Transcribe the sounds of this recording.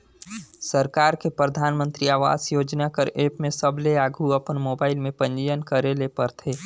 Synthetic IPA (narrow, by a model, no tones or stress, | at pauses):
səɾkaːɾkepɾəd̪ʱaːnmə̃nt̪ɾiaːʋa̰ːzjoːd͡ʒnakəɾʔeːpmẽsəbleaːɡʱuɐpənmoːbaːɪlmẽpə̃nd͡ʒəjənkəɾelepəɾt̪ʰeː